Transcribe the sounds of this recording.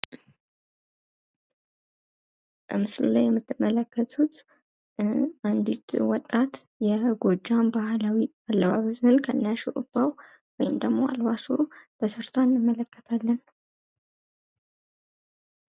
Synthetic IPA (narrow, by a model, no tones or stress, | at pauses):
bəmɨslṵlajːɛmːɨt̪ːɨmːələkːət̪ʰut̪ | and̪it̪wɔt̪ʼːat̪ | jɛɡo̞d͡ʒːambahlawialːəβaβəzɨnkʰənːaʃɛʔɨ̰baw | wɔjɪmd̪əɡmo̞a̰lbasut̪ʰəsɨɾt̪ʰanːɨmːələkːə̥t̪ʰalːən